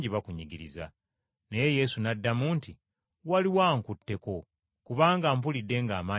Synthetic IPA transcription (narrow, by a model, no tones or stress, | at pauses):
ɟiβakuɲiɡiɾiza̰ | ne̞je̞je̞sunadːamuːnti | waliwaŋkutːe̞ko̞ | kuβaːŋɡampulidːe̞ŋɡaːmaː